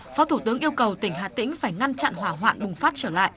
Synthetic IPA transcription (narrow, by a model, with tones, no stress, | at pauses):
fɔ˨˦t̪ʰu˧˩t̪ɨ˨˦əŋʔi˧əwkə˨˩wt̪ï˧˩ŋ̟ɦa̰ː˧˨t̪ḭ̈˧˥ŋ̟faː˧˩jŋa˧nt͡ɕa̰˧˨nɦwaː˧˩ɦwa̰ː˧˨nɓʊ˨˩ŋ͡mfaː˦˥t̚t͡ɕəː˧˩la̰ː˧˨ʔ